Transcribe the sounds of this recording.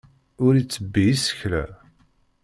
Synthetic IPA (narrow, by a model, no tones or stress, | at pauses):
ʊɾit͡sːəbːijisə̥çlæ̰